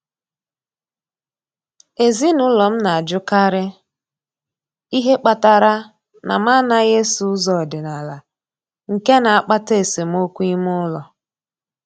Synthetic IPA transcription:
e˨zi˦nʊ˦lɔ˨m̩˦na˨a˨d͡ʒʊ˦ka˦ɾɪ˦ | i˦ɦe˦k͡pa˦ta˨ɾa˦ | na̰˨ma˦na˦ɣe˦su˦zɔ˨dɪ˨na˨la˨ | ŋ̩˨ke˦na˨a˨k͡pa˦te˦˨se˨m̩˦o˦kʷu˦i˦m˦ʊ˦lɔ˨

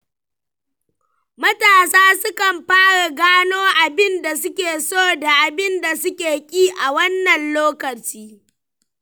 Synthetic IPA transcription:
mɐ˦taː˨saː˦sʊ˦kɐ˨mɸaː˦ɽa˨ɡaː˦noː˦ʔa˨bɪ˦nda˨sʊ˦kʲeː˨soː˦˨da˨ʔa˨bɪ˦nda˨sʊ˦kʲeː˨kʲʼiː˦ʔa˨wɐ˦nːɐ˨nloː˦kɐ˨t͡ʃiː˦

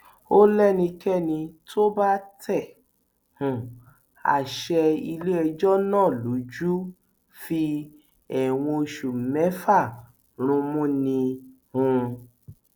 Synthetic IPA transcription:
o˦lɛ˦nĩ˧kɛ˦nĩ˧tʰo˦ba˦tɛ˦˨ | hũ˨ | a̰˨ʃɛ˧i˧le˦ɛ˧d͡ʒɔ˦nãː˦˨lo˨˦d͡ʒu˦ | fi˧ | ɛ˨w̃ɔ̃˧ʃu˨mɛ˨˦fa˦˨ | ɾ̃ũ˧mũ˦nĩ˧ | hũ˧

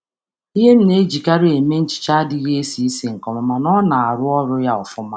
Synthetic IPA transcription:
i˦ɦe˦m̩˦ne˦d͡ʒi˨ka˦ɾe˨me˦n̩˦t͡ʃɪ̥˨t͡ʃa˦dɪ˦ɣe˦e˦si˦i˦si˨ŋ̩˨kɔ˨ma˨ma˨nɔ˦na˨a˨ɾʊ˦ɔ˦ɾʊ˦ja˦ɔ˨fʊ˦ma˦

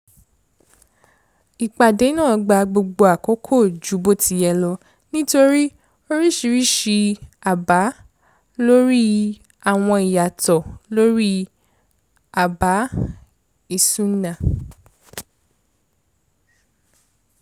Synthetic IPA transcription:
i˨k͡pa˨de˨˦nãː˦˨˧ɡ͡ba˧ɡ͡bo˧ɡ͡bo˧a˨ko˦kʰo˦˨d͡ʒu˨˦bo˦tʰi˧˦jɛ˧lɔ˧ | nĩ˦to˧ɾi˦ | o˧ɾi˦ʃi˧ɾi˦ʃi˧a˨ba˨˦ | lo˦ɾi˦ | a˦˨w̃ɔ̃˧i˨ja˨tɔ˨lo˦ɾi˦ | a˨ba˨˦ | i˦˨sũ˦nã˦˨

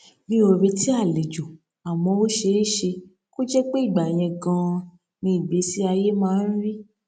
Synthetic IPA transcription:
mĩ˧˦o˧ɾi˧ti˦a˦˨li˨d͡ʒo˨ | a˨wɔ̃˧o˦ʃe˧˦i˦˨ʃe˧ | ko˦d͡ʒɛ˦k͡pe˦i˦˨ɡ͡ba˨j̃ɛ̃˧ɡã˧ | nĩ˧˨be˨˦si˦a˧je˦mãː˦˧˦n̩˦ɾi˦

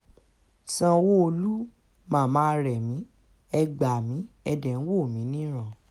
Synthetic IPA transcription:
sã˧wo˦o˧lu˦ | mãː˦˨mãː˦ɾɛ˨mĩ˨˦ | ɛ˧ɡ͡ba˨mĩ˨˦ | ɛ˧dɛ˨n̩˦wo˦˨mĩ˨˦nĩ˦ɾ̃ã˦˨

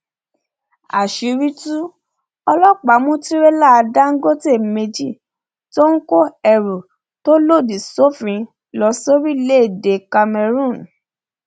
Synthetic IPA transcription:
a˨ʃi˨˧ɾi˦tu˦ | ɔ˧lɔ˦k͡pa˨˦mũ˦ti˦ɾe˦la˦a˧da˦ŋ̩˦ɡo˦te˦˨me˧d͡ʒi˦˨ | to˦ŋ̩˦ko˦ɛ˨ɾu˨ | to˦lo˦˨di˨so˦fĩ˨˧ | lɔ˧˦so˦ɾi˦le˦˨de˨ka˧mɛ˧ɾũ˦˨n

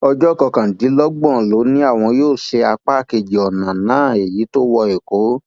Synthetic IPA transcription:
ɔ˧d͡ʒɔ˦˨kɔ˧kã˨di˨˦lɔ˦ɡ͡bɔ̃˦˨lo˨˦nĩ˦a˦˨w̃ɔ̃˧joː˦˨ʃe˧a˧k͡pa˦˨ke˧˨d͡ʒi˨ɔ˨nã˨nãː˨˦˨e˨ji˨˦to˦wɔ˧e˨ko˨˦

